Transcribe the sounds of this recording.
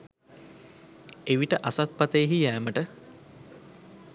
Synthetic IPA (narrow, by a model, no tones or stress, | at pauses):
eʋiʈəʔasat̪̚pat̪əjɦijæːməʈə